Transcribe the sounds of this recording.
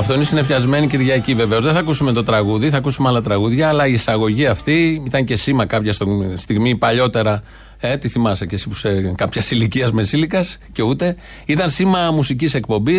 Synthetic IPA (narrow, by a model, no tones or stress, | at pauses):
ɐft̪o̞inesinefçɐzme̞niciɾʝɐcive̞ve̞ozðeθɐkusume̞t̪o̞t̪ɾɐɣuðiθɐkusumeɐlɐt̪ɾɐɣuðʝɐːlɐiːsɐɣo̞ʝiɐft̪iit̪ɐɲce̞simɐkɐpçɐst̪ist̪iɣmipɐʎo̞t̪e̞ɾɐ | et̪iθimɐsecesipu̥sekɐpçɐsiliciɐzmesilikɐsce̞ut̪e̞ | it̪ɐnsimɐmusicise̞kpo̞mbi